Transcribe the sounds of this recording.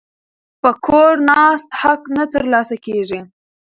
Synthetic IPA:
pəkʰoɾnɑst̪haknət̪əɾlɑsakeʐi

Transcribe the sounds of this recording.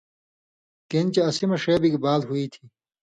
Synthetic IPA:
kent͡ɕeɐsimɐʂeːbikibaːlɦuit̪ʰi

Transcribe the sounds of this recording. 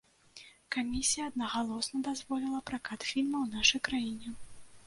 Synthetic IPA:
kamʲisʲijɐːd̪̚nɐɣalˠɔsnɐd̪azvɔlʲilˠɐpɾakat̪fʲilʲmɐwnaʂɐjkɾajinʲɛ

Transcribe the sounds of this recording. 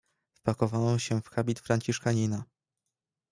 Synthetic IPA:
fpakɔvanɔ̃ɕɛfxabʲit̪fɾaɲʲt͡ɕiʂkaɲina

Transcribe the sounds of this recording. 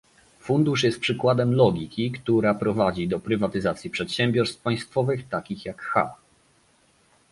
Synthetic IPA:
fund̪uʂjɛst̪̚pʂɘkwad̪ɛmlɔɡʲikʲikt̪uɾapɾɔvad͡ʑid̪ɔpɾɘvat̪ɘzat̪sʲjipʂɛt̪ɕɛmbʲjɔɾst̪paj̃st̪fɔvɘxt̪akʲixjakxa̰

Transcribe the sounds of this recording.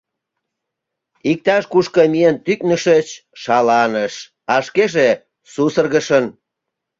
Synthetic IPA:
ik̚t̪ɑʃkuʃkəmient̪yknəʃət͡ɕʃɑlɑnəʃ | ɑʃkeʒe | susərɣəʃən

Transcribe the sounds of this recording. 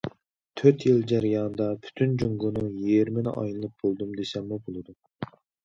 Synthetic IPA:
t̪ʰøɾt̪jilˠd͡ʒæɾijɑnd̪ɑpʰy̥t̪ʰynd͡ʒuŋɡʊnuŋjeɾmɪnɪ̰ʔɑ̰jnɨlˠɨp̚bolˠd̪umd̪esɛmːubolˠɨd̪u

